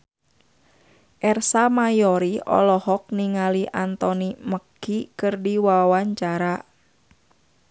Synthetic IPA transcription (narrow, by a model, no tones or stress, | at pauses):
ʔɛrsamajɔɾiɔ̰lɔhɔk̚niŋaliʔant̪ɔniməkːikɨrdiwawaɲt͡ʃaɾa